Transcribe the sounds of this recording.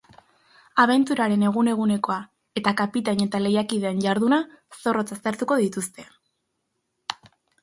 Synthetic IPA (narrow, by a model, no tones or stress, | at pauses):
aβ̞e̞nt̪uɾaɾe̞ne̞ɣ̞une̞ɣune̞ko̞a | e̞t̪akapit̪aɲe̞t̪ale̞jakið̞e̞ːnɟaɾðuna | so̞ro̞t͡sast̪e̞ɾt̪uko̞ðit̪ust̪e̞